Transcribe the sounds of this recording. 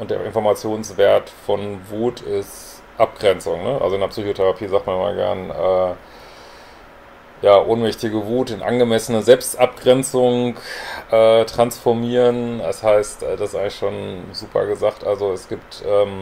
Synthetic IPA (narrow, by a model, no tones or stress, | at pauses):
ʔʊntd̥eːɐʔɪnfɔɐmat͡sjoːnsv̥eːɐtfɔnvuːtʰɪst | ʔap̚ɡ̥ʁɛnt͡sʊŋnəʔa̰lzoɪndɐpsyːçotʰɛʁapʰiːzaːktmanɪma̰lɡɛ̰ɐnʔɛː | jaːʔoːnmɛçtɪɡəvuːtɪnʔa̰nɡəmɛsənəzɛlpstʔap̚ɡ̥ʁɛnt͡sʊŋʔɛːtʁ̥ansfɔɐmiːʁəndashaɪstʔɛːdasɪsʔaɪŋlɪçʃoːnzuːpʰɐ̰ɡəzaːktʔalzoɛsɡ̥iːp̚tʔɛːm